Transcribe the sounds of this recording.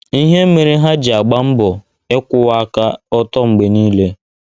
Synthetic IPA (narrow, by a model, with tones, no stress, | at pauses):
i˦ɦe˦m̩˦me˨ɾi˦ɦa˦d͡ʒɪ˨a˨ɡ͡ba˦m̩˦bʊ˨ | e˦kʷʊ˦a˦ka˦ɔ˦tɔ˦ŋ͡m̩˨ɡ͡be˨niː˦le˦